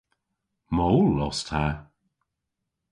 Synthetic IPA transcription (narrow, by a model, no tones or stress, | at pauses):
mowlːɔstʰha